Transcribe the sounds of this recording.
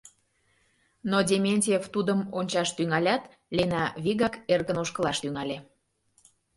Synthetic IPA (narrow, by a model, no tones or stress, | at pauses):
nodʲemʲenʲtʲieft̪ud̪əmonʲt͡ɕɑʃt̪yŋɑlʲɑt̪ | lʲenɑβiɣɑkerɣənoʃkəlɑʃt̪yŋɑlʲe